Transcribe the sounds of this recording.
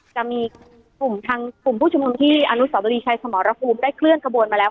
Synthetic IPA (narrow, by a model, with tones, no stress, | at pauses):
t͡ɕa˨˩miː˧ | ku˨˩mt̪ʰa˧ŋklu˨˩mpʰuː˥˩t͡ɕu˧mnu˧mt̪ʰiː˥˩ʔa˧nu˦˥sa˩˦bo˧iː˧t͡ɕʰaː˧jsa˧mɔː˩˦ɾa˦˥pʰuː˧mdaː˥˩jkʰlɯ˥˩ənka˧bu˧ənmaː˧lɛː˦˥w